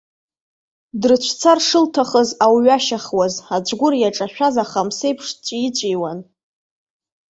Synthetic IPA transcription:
drt͡ɕʷʰt͡sʰarʂɨltʰaχəzawɥaʃaχwazad͡ʒʷʼɡʷʊrjaʈ͡ʂʼaʃᶣazaχamse̞jpʰʂt͡ʃʷʼit͡ɕʷʼijwan

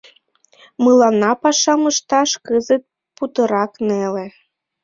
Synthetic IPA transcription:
mɨlˠɑnɑpɑʃɑməʃt̪ɑʃkɨzət̪̚ | put̪ɤɾɑknelĕ

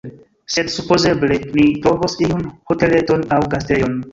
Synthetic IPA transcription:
sedsupoze̞blenit̪ɾovosiunhotele̞tonawɡastejon

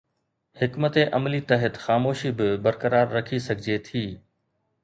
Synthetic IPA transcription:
hɪkmət̪eʔɐmlit̪ɐɦət̪xaːmoːʃibɪbɐɾkəɾaːɾːɐkʰisɐɡʱɪd͡ʑet̪ʰiː

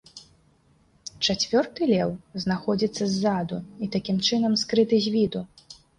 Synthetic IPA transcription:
t͡ʂat͡sʲvʲɔrt̪ɨlʲɛwznaxɔd͡zʲit̪sːɐzːad̪uit̪akʲimt͡ʂɨnɐmskɾɨt̪ɨzʲvʲid̪u

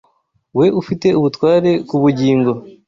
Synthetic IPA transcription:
we̞ʔufite̞uβutwaːɾe̞kuβuɟiːŋɡo̞

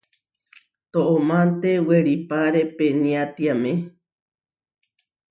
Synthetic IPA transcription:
t̪oʔõmãnt̪eweɾipaɾepenĩat̪iamẽ

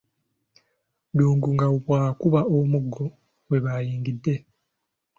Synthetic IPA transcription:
duːŋɡuŋɡauβwaːkuβaomuɡːo̞ | we̞βajiːŋɡidːe̞

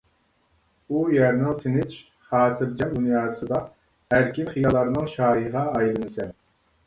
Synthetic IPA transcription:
ujæɾnɨŋt̪ʰɪnɪt͡ʃ | χɑːt̪ʰɨɾd͡ʒɛmd̪unjɑːsɨd̪ɑ | hæɾkʲinχijɑlˠɑɾnɨŋʃɑːjiəʁɑːjlˠɨnɨsɛ

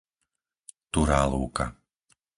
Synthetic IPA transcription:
t̪uɾaːluːka̰

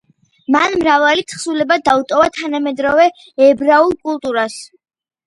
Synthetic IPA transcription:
manmɾavalit̪sʰχsulɛbad̪aut̪ʼɔvat̪ʰanamɛd̪ɾɔvɛ | ɛbɾaulˠkʼulˠt̪ʼuɾas

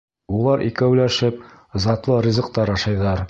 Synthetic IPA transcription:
ulˠɑɾʔḭkæwlæʃɘp̚ | zɑt̪lˠɤrʲizɤ̆q̚t̪ɑɾɑʃɑjðɑɾ

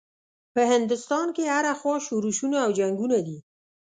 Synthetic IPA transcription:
pəhɪnd̪ʊst̪ɑnkeaɾaxwɑʃuɾuʃunaːwd͡ʒaŋɡunad̪i

